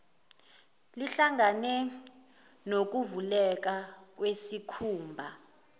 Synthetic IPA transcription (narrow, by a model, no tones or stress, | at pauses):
liɬaŋanɛ | nok̬uvulɛk̬ak̬wesikʰuːmbʱa